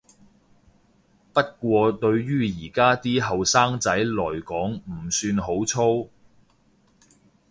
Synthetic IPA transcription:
pɐ˥t̚kʷɔː˧t̪ɵ˧ɥɥyː˥jiː˨˩kaː˥t̪iː˥ɦɐ˨wsaː˥ŋt͡sɐ˨˥jlɔː˨˩jkɔː˨˥ŋm̩˨˩syː˧nɦo˨˥wt͡sʰo˥w

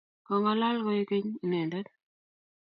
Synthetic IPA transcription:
kɔ˨ŋɡa˨˦la˦lkɔ˦je˦ke˦ɲi˨nɛ˨ndɛ˦t̪

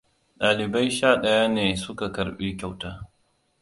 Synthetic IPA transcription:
ɗaː˨lɪ˨bɐ˦jʃaː˦˨ɗɐ˦jaː˦neː˨sʊ˦ka˨kɐ˨ɾɓiː˦kʲa˨wtaː˦

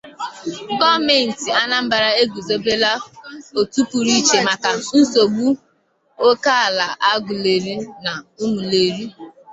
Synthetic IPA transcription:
ɡɔ˦me˨n̩˨ti˨a˦na˦m̩˦ba˨ɾa˦e˦ɡu˨zo˦be˦la˦o˨tu˦pu˨ɾi˦t͡ʃe˨ma˨ka˨n̩˦so˨ɡ͡bu˦ | o˦ka˦a˨la˨ʔa˦ɡu˨le˨ɾi˦na˨u˦ŋu˨le˨ɾi˦

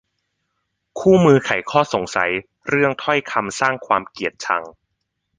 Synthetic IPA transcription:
kʰuː˥˩mɯː˧kʰa˨˩˦jkʰɔː˥˩so˨˩˦ŋsa̰˩˦j | ɾɯ˥˩əŋt̪ʰɔ˥˩jkʰa˧msaː˥˩ŋkʰwaː˧mki˨˩ət̪̚t͡ɕʰa̰˧ŋ

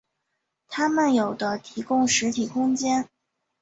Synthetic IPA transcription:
t̪ʰa˥mə˨njo˨˩ʊd̪ə˦t̪ʰi˧˥kʊ˥ŋʂɻ̩˧˥t̪ʰi˨˩kʰʊ˥ŋt͡ɕjɛ˥n

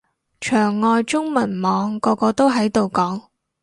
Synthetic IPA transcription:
t͡ʃʰœː˨˩ŋːɔː˧jt͡sʊ˥ŋmɐ˨˩nmɔː˨˧ŋkɔː˧kɔː˧t̪o˥wɦɐ˨˥jt̪o˨wkɔː˨˥ŋ

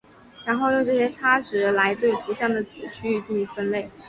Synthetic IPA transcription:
ɻa˧˥nxo˥˧ʊjo˥˧ŋʈ͡ʂɤ˥˩ɕjɛ˥ʈ͡ʂʰa˥ʈ͡ʂɻ̩˧˥la˧˥ɪt̪we˥˩ɪt̪ʰu˧˥ɕjɑ˥˩ŋd̪ə˩t͡sɹu˨˩t͡ɕʰy˥˧t͡ɕi˥˩y˧˥fə˥nle˥˩ɪ

